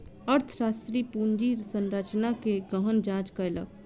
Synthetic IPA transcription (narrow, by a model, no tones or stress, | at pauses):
əɾt̪ʰəsasʈ̪ɾipund͡ʒiɾsənɾat͡ʃnakeɡəɦənd͡ʒãt͡ʃkəjlə̰k